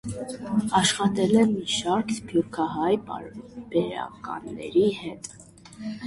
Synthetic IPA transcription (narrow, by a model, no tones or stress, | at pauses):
ɑʃχɑt̪ɛlɛmiʃɑɾkʰspʰjuɾkʰɑɦɑjpɑb̥ɛɾɑ̰kɑ̰nːɛ̰ɾihɛt̪